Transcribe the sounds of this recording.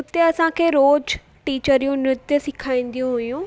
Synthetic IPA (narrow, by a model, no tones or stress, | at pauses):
ʊt̪eɐsãkʰeːɾoːd͡ʑ | ʈiːt͡ɕəɾijũnɾɪt̪jəsɪkʰaːĩːn̆d̪ijũɦʊjũː